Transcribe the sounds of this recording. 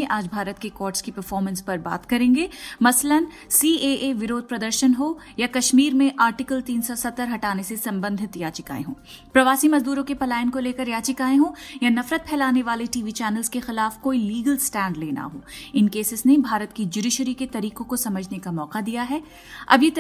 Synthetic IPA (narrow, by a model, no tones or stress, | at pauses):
ẽʔaːd͡ʒbʱaːɾət̪kekɔːɾʈskipɐɾfɔːɾmə̃nspɐɾba̰ːt̪kɐɾẽːŋɡeːmɐslən | siːeːʔeʋɪɾoːd̪̚pɾɐd̪əɾʃənɦo | jakɐʃmiːɾmẽʔaːɾʈɪkəlt̪iːnsɔsɐt̪ːəɾɦɐʈaːnesesɐ̃mbə̃nd̪ʱɪt̪jaːt͡ʃɪka̰ːḛ̃ɦõ̰ː | pɾɐʋaːsimɐzd̪uːɾõkepɐlaːjənkoleːkəɾjaːt͡ʃɪkaːẽɦõːjanɐfɾət̪̚pʰɛːlaːneʋaːleʈiːʋit͡ʃɛːnəlzkexɪlaːfkoːiliːɡəlsʈɛ̃ːɳɖleːna̰ɦoːɪnkeːsɪsnebʱaːɾət̪kid͡ʒʊɖɪʃɾiket̪ɐɾiːqõkosɐməd͡ʒʱnekamɔːqad̪ijaɦɛ | ɐ̰bje